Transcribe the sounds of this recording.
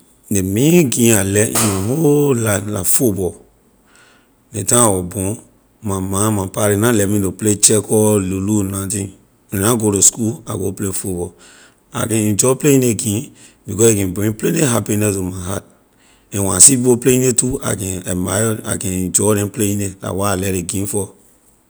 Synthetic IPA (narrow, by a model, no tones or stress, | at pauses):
nemĩɡĩalɛḭ̃nãholala̰fubɔ | netãwɔbõ | mãmãmãpaɾinãlɛmĩdoplet͡ʃɛkɔlolunãtĩ | ẽnãɡoɾoskua̰ɡo̰plefubɔ | a̰ɡɛ̃ĩd͡ʒɔpleĩneɡĩn | bikɔsekɛ̃bɔ̃ĩpleneɦapinɛsomaɦat̚ | ẽwãsibopleinetua̰ɡɛ̃ɛmaɔa̰kɛ̃d͡ʒɔɾɛ̃pleinela̰waalɛɾeɡĩfɔ